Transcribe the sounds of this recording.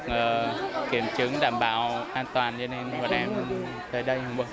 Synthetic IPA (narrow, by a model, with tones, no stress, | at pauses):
ʔəː˨˩kḭ˧˩əmt͡ɕɨ˨˦ŋɗaː˨˩mɓa̰ː˧˨wʔaː˧nt̪waː˨˩nt͡ɕɔ˧ne˧nhɔ˨˧˩ɗɛ˧m | t̪əː˨˩jɗə˧jhə˧wŋ͡mɓə˧